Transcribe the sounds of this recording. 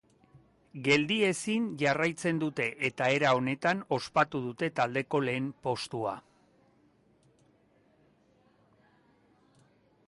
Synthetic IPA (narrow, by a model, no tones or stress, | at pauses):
ɡe̞ld̪ie̞sinʝarajt͡se̞nd̪ut̪e̞ʔet̪ae̞ɾao̞ne̞t̪ano̞spat̪uð̞ut̪e̞t̪ald̪e̞ko̞le̞ːmpo̞st̪ua̰